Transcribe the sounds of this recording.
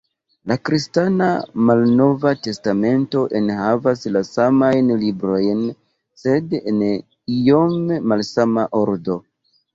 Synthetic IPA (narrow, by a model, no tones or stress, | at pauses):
lakɾistanamalno̞vate̞stame̞nto̞ʔe̞nhavaslasamajnlibɾo̞jn | se̞den | ijo̞memalsamaʔo̞ɾdo̞